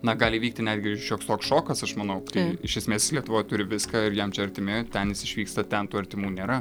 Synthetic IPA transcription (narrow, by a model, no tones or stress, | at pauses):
nɐɡɑːlʲɪʋʲiːk̚t̪ʲɪnʲæːd̪ʲɡʲɪɪʃʲoːkst̪oːksʃoːkɐsɐʃmɐnɐʊt̪ɐɪɪʃʲɛsʲmʲeːslʲiɛt̪ʊʋoːjt̪ʊɾʲɪʋʲɪskɑːɪɾjɛmt͡ʃʲɛɐɾʲt̪ʲɪmʲɪt̪ʲɛnjɪsɪʃʲʋʲiːkst̪ɐt̪ʲɛnt̪uːɐɾʲt̪ʲɪmuːnʲeːɾɐ